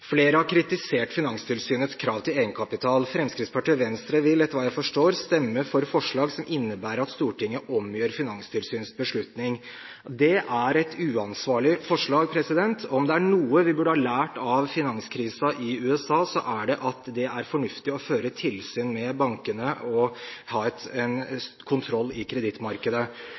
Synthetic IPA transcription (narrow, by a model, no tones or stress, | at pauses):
fleːɾəhɑɾkʰɾɪt̪ɪseːʈfɪnɑŋst̪ʰɪlsyːnət̪skʰɾɑːʋt̪ʰɪleːɡənkʰɑpɪt̪ʰɑːlfɾɛmskɾɪːt̪spɑʈiːʋɛnst̪ɾəʋɪlɛt̪əɾʋɑːjæɪfɔʂʈoːɾst̪ɛmːəfɔɾfɔʂɭɑːɡsɔmʔɪnːəbæːɾəɾɑt̪st̪uːʈɪŋːəʔɔmjøːɾfɪnɑŋst̪ʰɪlsyːnsbəʂɭʉt̪nɪŋ | d̪ɛʔæɾɛt̪ʉːɑnsʋɑːɭɪfɔʂɭɑːɡ̚pʰɾɛsɪd̪ɛnt̪ʰɔɔmd̪ɛæɳuːəʋɪbʉːɖəhɑːlæːʈɑʋfɪnɑŋskʰɾiːsɑʔɪʉːɛsɑːsɔʔæɖɛʔɑt̪d̪ɛæɾfɔɳʉft̪ɪɔføːɾət̪ʰɪlsyːnmɛbɑŋkənəʔɔhɑːɛt̪ɛn | kʰʊnt̪ʰɾɔlːɪkʰɾɛd̪ɪt̪mɑɾkəd̪ə